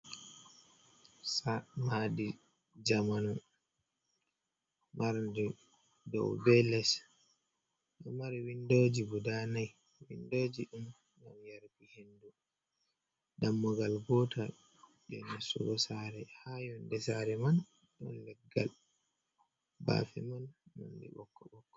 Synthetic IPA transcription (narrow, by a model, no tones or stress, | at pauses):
samadi | d͡ʒamanɔ | mʔaɾndɛ | dɔ̰wbɛlɛs | ɗɔmaɾiwindod͡ʒibudanaj | wḭndod͡ʒiɗum | ɡamjaɾbihendu | ɗamːɔɡalbɔtʰa | jɔnɛsːɔ̰ɡɔsaɾɛhajɔndɛsaɾɛman | ɗɔ̰nlɛɡːa̰l | ba̰ːfɛmanma̰ndɛ̰ɓɔ̰kːɔɓɔkːɔ̥